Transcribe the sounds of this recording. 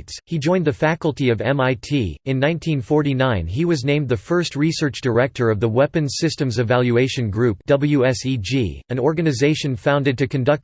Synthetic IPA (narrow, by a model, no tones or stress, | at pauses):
dz̥hid͡ʒɔ̃ɪ̃nðɨfækl̩ˠtiʌvɛ̃maɪtʰiɨ̃nːãɪ̃ntʰĩnfɔɹɾinãɪ̃niwʌznẽɪ̃mðɨfɜ˞st̚ɹisɜ˞t͡ʃd̥ə˞ɛk̚tʰə˞ʌvðəwɛpɨ̃n̥sɪstɨ̃mzɨvælˠjʉeɪʃɨ̃nɡɹʉp̚d̥ʌbl̩ˠjʉɛsid͡ʒḭɨ̃nɔɹɡɨnɨzeɪʃɨ̃nfãʊ̃ndɨ̃d̚tɨkʰɨ̃ndʌk̚